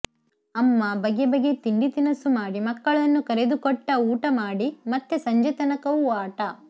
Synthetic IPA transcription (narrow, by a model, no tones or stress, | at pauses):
ɐmːɐbɐɡebɐɡet̪iɳɖit̪inɐsumaːɽimɐkːɐɭɐnːukɐɾed̪ukɔʈːɐuːʈɐmaːɽimɐt̪ːesɐɲd͡ʒɐt̪ɐnɐkɐʋuaːʈɐ